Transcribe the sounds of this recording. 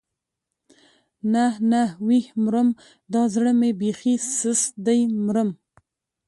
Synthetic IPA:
nanawihmɾəm | d̪ɑzɽəmebexisəsd̪ajmɾəm

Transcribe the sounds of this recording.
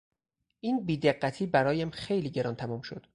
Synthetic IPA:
ʔiːnbiːd̪eɢːæt̪ʰiːbæɾɒːjæmxejliːɟe̞ɾɒːnt̪ʰæmuːmʃo̰d̪̥

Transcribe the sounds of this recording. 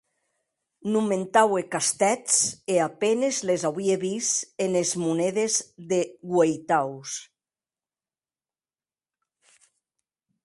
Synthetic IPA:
numẽnt̪awekast̪ɛt͡seapenezlezawβieβisenezmunɛðezðeɣwejt̪aws

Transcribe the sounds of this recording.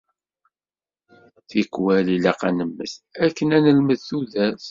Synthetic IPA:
θikːwælilæqæ̰nəmːə̰θækːənænəlməðθuðæs

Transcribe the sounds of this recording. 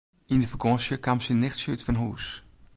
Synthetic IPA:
indəfəɡɔ̃sjəkamsinːɪxtsutfɔnɦuːs

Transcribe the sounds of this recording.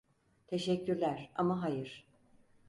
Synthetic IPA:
t̪ʰe̞ʃɛcʰːyɾlʲæɾa̰maɦajɯɾ̥

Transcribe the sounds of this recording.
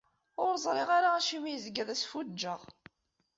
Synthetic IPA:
ʊɾzˤɾˤɪʁaɾaæʃimijzɡæðæsfud͡ʒːəʁ

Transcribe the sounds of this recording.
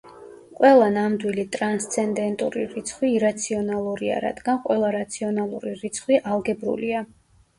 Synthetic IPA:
qʼwɛlˠanamd̪wilit̪ʼɾanst̪sʰɛnd̪ɛnt̪ʼuɾiɾit̪sʰχwiːɾat̪sʰiɔnalˠuɾia̰ɾa̰d̪̥ɡanqʼwɛlˠaɾat̪sʰiɔnalˠuɾiɾit̪sʰχwiʔalˠɡɛbɾṵlia

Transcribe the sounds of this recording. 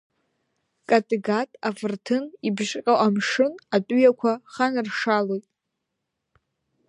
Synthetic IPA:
kʼatʼiɡatʼafɨrtʰɨnibʒqʲʼaʔamʂɨnatʼɥjakʷʰaχanrʂalojtʼ

